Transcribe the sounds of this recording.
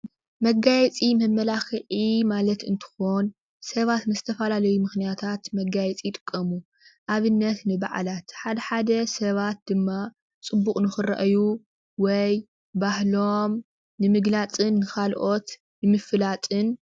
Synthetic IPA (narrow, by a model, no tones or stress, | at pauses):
mɐɡajɛt͡sʼimɐmːɐlaxɨʕimalɐt̪ɨ̰nt̪ʰɨ̥xo̞n | sɐβat̪nɨzɨt̪ʰɐfɐlalɐjumɨxnijat̪ʰat̪mɐɡajɛt͡sʼit̪ʼɨ̥kʼːɐmu | ʔaβɨnːɐt̪nɨba̰ʕa̰lat̪ħad̪ɐħad̪ɐsɐβat̪̚d̪ɨmːa | t͡sʼɨbːukʼnɨxɨɾɐ̰ʔɐju | wɔj | bahlom | nɨmɨɡlat͡sʼɨnːɨkʰalʔo̞t̪ | nɨmɨfɨlat͡sʼɨn